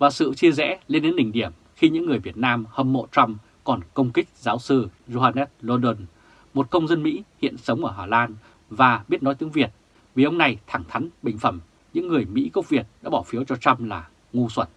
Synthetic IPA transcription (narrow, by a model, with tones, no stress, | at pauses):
vaː˨˩sɨ̰˧˨t͡ɕi˧əzɛ̰˧˥li˧nɗe˨˦nɗï˨˩ŋ̟ɗi˧˩əm | xi˧ɲɨ̰˧˥ŋːɨ˨˩əjvi˨˩ət̚naː˧mhə˧mːo̰˧˨t͡ɕa˧wm | kɔ˨˩nkə˧wŋ͡mkï˦˥k̟̚zaː˨˦wsɨ˧zo˧haː˧nɛ˦˥t̚lo˧ɗə˧n | mo˨˩t̚kə˧wŋ͡mzə˧nmḭ˧˥hḭ˧˨ənsə˨˦wŋ͡mʔəː˧˩ɦaː˧˩laː˧n | vaː˨˩ɓi˦˥ət̚nɔ˨˦jt̪ɨ˨˦ŋvi˨˩ət̚ | vi˨˩ʔə˧wŋ͡mna˨˩jt̪ʰa˧˩ŋt̪ʰa˨˦jŋɓï˨˩ŋ̟fə˧˩m | ɲɨ̰˧˥ŋːɨ˨˩əjmḭ˧˥kə˦˥wk͡p̚vi˨˩ət̚ɗa̰ː˧˥ɓɔ˧˩fi˨˦əwt͡ɕɔ˧t͡ɕa˧wmlaː˨˩ | ŋu˧swə˧˩n